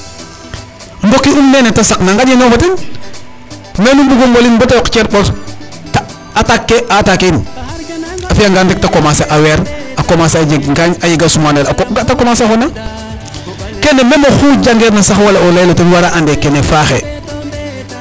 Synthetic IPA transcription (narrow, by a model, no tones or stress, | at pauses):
mbokːiumnenetasaknaŋɡaɟenofoten | menumbuɡoŋɡolinbotajɔkt͡ʃeɾbos | t | atakːeʔatakin | afijaŋɡandek̚takomaseʔaweɾakomasad͡ʒeɡŋɡaɲajiɡasumanelkoɡatakomasaxona | kendememoxuɟaŋɡeːɾnasaxwalaolajlotenwaɾaʔandekenefaxe